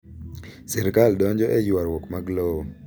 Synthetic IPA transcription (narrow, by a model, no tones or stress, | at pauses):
sɛɾkaldɔɲd͡ʒɔʔɛjwaɾwɔkmaɡlɔ